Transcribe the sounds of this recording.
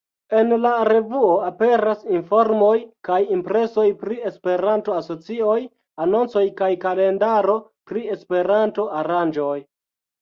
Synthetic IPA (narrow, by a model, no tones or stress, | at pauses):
e̞nlaɾe̞vuo̞ape̞ɾasinfo̞ɾmo̞jkajimpɾe̞so̞jpɾie̞spe̞ɾanto̞aso̞t͡sio̞j | ano̞nt͡so̞jkajkale̞ndaɾo̞pɾie̞spe̞ɾanto̞ʔaɾand͡ʒo̞j